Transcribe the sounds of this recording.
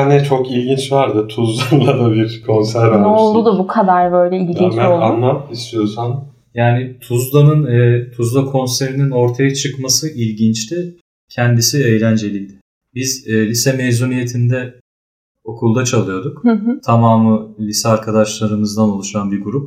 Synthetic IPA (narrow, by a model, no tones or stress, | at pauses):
nɛt͡ʃʰo̞kilʲɟint͡ʃvaɾd̪ɯt̪ʰuzlˠanlˠad̪abiɾkʰo̞nsæɾanolud̪ʊbukʰad̪aɾbø̞jlʲɛilʲint͡ʃmæanlˠaist̪ʰijo̞san | jaːnɪt̪ʰuzlˠanɯnɛt̪ʰuzlˠakʰo̞nse̞ɾinino̞ɾt̪ʰajat͡ʃʰɯkmasɯʔilʲɟint͡ʃt̪ʰɪ | cʰɛnd̪isiejlʲænd͡ʒe̞lʲijd̪ɪ | bizːlʲisɛmezunije̞t̪ʰind̪ɛ | o̞kʰulˠd̪at͡ʃʰalˠɯjo̞d̪ukhɯɦt̪ʰamaːmɯlʲisɛaɾkʰad̪aʃlˠaɾɯmɯzd̪ano̞lˠuʃanbiɾɡuɾup̚